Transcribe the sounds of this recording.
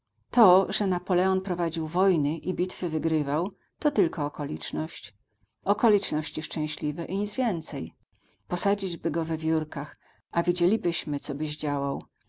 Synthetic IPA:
t̪ɔʐɛnapɔlɛɔnpɾɔvad͡ʑiwvɔjnɘʔibʲit̪fɘvɘɡɾɘvaw | t̪ɔt̪ɘlkʰɔːkɔlʲit͡ʂnɔɕt͡ɕ | ɔkɔlʲit͡ʂnɔɕt͡ɕiʂt͡ʂɛ̃w̃ɕlʲivɛʔiɲid̪zvʲjɛnt̪sɛj | pɔsad͡ʑid͡ʑbɘɡɔvɛvʲjuɾkax | ʔavʲid͡ʑelʲibɘɕmɘt̪sɔbɘʑd͡ʑawaw

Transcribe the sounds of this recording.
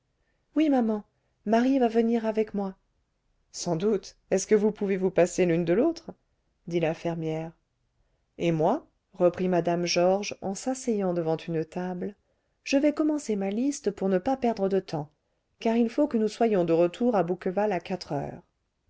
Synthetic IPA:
wimamɑ̃ | maʁivavəniʁavɛkmwa | sɑ̃d̪ut̪ | ɛskəvupuvevupaselynd̪əlot̪χ | d̪ilafɛʁmjɛʁ | emwa | ʁəpχimad̪amʒɔʁʒɑ̰̃sasejɑ̃d̪əvɑ̃t̪ʰynt̪abl | ʒ̥əvɛkɔmɑ̃semalist̪əpuʁnəpapɛʁd̪ʁəd̪ət̪ɑ̃ | kaʁilfokənuswajɔ̃d̪əʁət̪ʰuʁabukəvalakat̪χœ̰ːʁ

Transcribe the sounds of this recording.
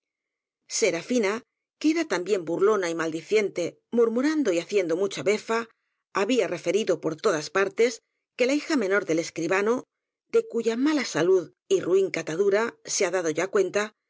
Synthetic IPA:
se̞ɾafina | keeɾat̪ambje̞mbuɾlo̞naimald̪iθje̞nt̪e̞ | muɾmuɾand̪o̞iaθje̞nd̪o̞mut͡ʃaβe̞faː | βiare̞fe̞ɾiðo̞po̞ɾt̪o̞ðaspaɾt̪es | ke̞laixamẽ̞no̞ɾðele̞skɾiβano | ðe̞kuʝamalasaluð | iruiŋkat̪aðuɾaseaðað̞o̞ʝakwe̞nt̪a

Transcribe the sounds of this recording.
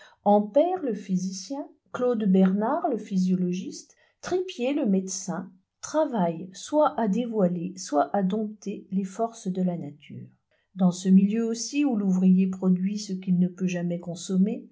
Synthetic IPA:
ɑ̃pɛʁləfizisjɛ̃ | klod̪bɛʁnaʁləfizjɔlɔʒist̪ | χipjeləmed̪sɛ̃ | t̪χavajswaʔad̪evwaleswaʔad̪ɔ̃t̪elefɔʁsd̪əlanat̪ʰy̰ːʁ | d̪ɑ̃səmiljøosiuluvʁijepχɔd̪ɥisəkʲilnəpøʒamɛkɔ̃sɔme

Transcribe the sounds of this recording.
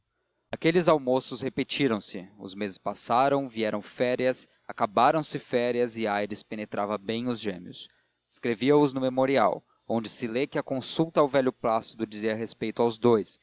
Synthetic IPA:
akelɪzawmosʊshepet͡ʃiɾɐ̃w̃sɪʊ̰zmezɪspasaɾɐ̃w̃viɛɾɐ̃w̃fɛɾiɐs | akabaɾɐ̃w̃sɪfɛɾiɐzɪajɾɪspenet̪ɾʔavɐbẽj̃ʊzʒḛ̃miʊ̰s | e̥skɾeviɐʊznʊmemoɾia̰w | õnd͡ʒɪsɪlekɪɐkõsut̪ɐːwvɛʎʊplasɪd̪ʊd͡ʒiziɐɦespejt̪ʊawzd̪ojs

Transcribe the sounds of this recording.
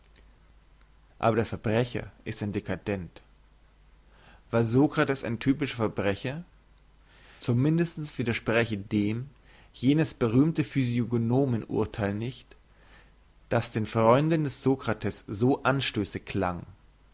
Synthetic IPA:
ʔa̰ːbɐɾeːɐfɛɐbʁɛçɐ̰ʔɪstaɪndekʰadɛnt | v̥aːɐzoːkʁ̥atɛsa̰ɪntʰyːpɪʃɐfɛɐbʁɛçɐ | t͡sumɪndəstn̩sv̥iːdɐʃpʁ̥ɛçədeːm | jeːnəsb̥əʁ̞yːmtəfyzioɡonoːmənʔʊ̰ɐtʰaɪlnɪçt | d̥asd̥eːnfʁ̥ɔʏndn̩dɛsz̥oːkʁ̥atʰɛsz̥oːʔanʃtøːsəkʰl̥a̰ŋ

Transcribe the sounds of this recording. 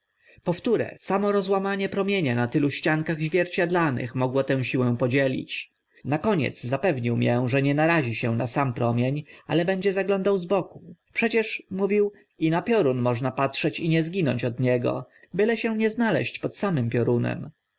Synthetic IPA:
pɔft̪uɾɛ̰samɔɾɔzwamaɲɛpɾɔmʲjeɲanat̪ɘluɕt͡ɕaŋkaɣʑvʲjɛɾt͡ɕad̪lanɘ̰xmɔɡwɔt̪ɛ̃w̃ɕiwɛ̃w̃pɔd͡ʑelʲḭt͡ɕ | nakɔɲɛ̰t̪zzapɛvɲiwmjɛʐɛɲɛnaɾaʑiɕɛnasampɾɔmʲjeɲʔa̰lɛbɛɲd͡ʑɛzaɡlɔnd̪awzbɔku̥pʂɛt͡ɕɛʂmuvʲiw | inapʲjɔɾunmɔʐnapatʂɛt͡ɕiɲɛzɡʲinɔɲt͡ɕɔd̪ɲɛɡɔ̰ | bɘlɛɕɛw̃ɲɛznalɛ̰ɕt͡ɕpɔt̪samɘmpʲjɔɾunɛ̰m

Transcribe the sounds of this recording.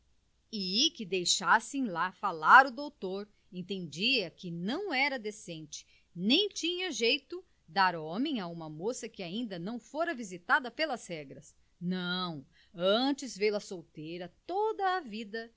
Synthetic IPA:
ɪkɪd̪ejʃasẽj̃lafalaɾʊd̪owt̪oɾ | ẽnt̪ẽnd͡ʒiɐkɪnɐ̃w̃ɛɾɐd̪esẽnt͡ʃɪ̥ | nẽj̃t͡ʃĩɲɐʒejt̪ʊ | d̪aɾɔ̃mẽj̃aũmɐmosɐkɪaĩnd̪ɐnɐ̃w̃foɾɐvizit̪ad̪ɐpelɐzhɛɡɾɐs | nɐ̃w̃ | ɐ̃t͡ʃɪzvelɐsowt̪ejɾɐt̪od̪ɐːvid̪ɐ

